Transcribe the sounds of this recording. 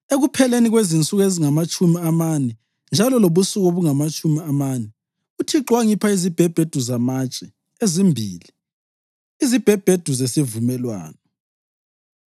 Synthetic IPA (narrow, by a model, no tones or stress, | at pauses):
eɣupʰɛleniɣwezint͡sʼuɣeziŋamat͡ʃʼumiamanɛ | nd͡ʒʱalɔloβusuɣoβuŋamat͡ʃʼumiamanɛ | utʰiǁwaŋipʰaizib̥ʱɛb̥ʱed̥ʱuzamat͡ʃʼɛ | ezimbʱḭːli | izib̥ʱɛb̥ʱed̥ʱuzesivumɛlwa̰ːnɔ